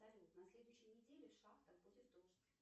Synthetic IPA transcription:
zɐlʲot̪nɐsʲlʲe̞d̪ʊjʏɕːɪjnʲɪdʲelʲɪfʂaxt̪əbozʲɪfd̪olʒsʲ

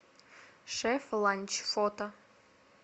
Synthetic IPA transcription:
ʃɛflˠɑnʲt͡ɕfot̪o

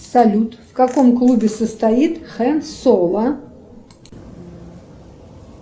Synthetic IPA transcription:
salʲut̪fkakɔmklˠubʲɛsɐst̪ait̪χɛnsɔlˠɐ

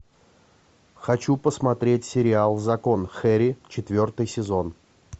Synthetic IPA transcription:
xɐt͡ɕupəsmɐt̪ɾʲetʲsʲɪɾʲɪalˠzɐko̞nxɛɾʲɪt͡ɕɪt̪vʲo̞rt̪ɨjsʲɪzo̞n

